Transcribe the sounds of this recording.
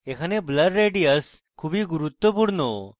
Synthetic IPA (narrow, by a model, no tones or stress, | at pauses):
ekʰaneblɐɖɾeɖijəs | kʰubiɡuɾut̪wəpuɾno